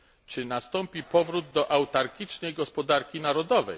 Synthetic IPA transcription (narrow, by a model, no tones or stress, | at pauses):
t͡ʂɘnast̪ɔmpʲipɔvɾud̪ːɔʔawt̪aɾɡʲit͡ʂnɛjɡɔspɔd̪aɾkʲinaɾɔd̪ɔvɛ̰j